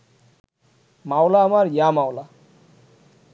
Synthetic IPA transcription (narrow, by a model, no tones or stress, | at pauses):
mawlaamaɾjamawla